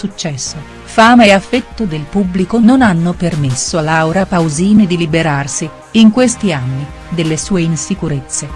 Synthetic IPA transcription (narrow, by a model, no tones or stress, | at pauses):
sut͡ʃːɛsːo | faːmeeafːet̪ːod̪elpubːlikononanːopermesːoalːawɾapawziːned̪ilibeɾarsiː | ŋkwest̪ianːi | d̪elːesuːeinsikuɾet̪sːe